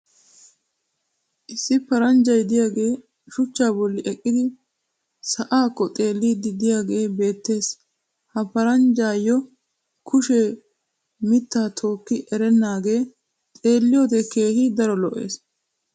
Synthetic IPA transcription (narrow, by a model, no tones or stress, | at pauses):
ʔɪsːɪpɐɾɐnd͡ʒɐjd̪ɪjaːɡe̞ː | ʃʊt͡ʃːaːbɔlːɪʔɛkʼːɪd̪ɪ | sɐʔaːkːɔt̪ʼe̞ːlːiːd̪ɪd̪ɪjaːɡe̞ːbe̞ːt̪ːe̞ːs | hɐpɐɾɐnd͡ʒaːjɔ | kʊʃɛ | mɪt̪ːaːt̪ʰo̞ːkːɪʔɛɾɛnːaːɡe̞ː | t̪ʼe̞ːlːɪjot̪ɛkeːhɪd̪ɐɾɔlɔʔḛːs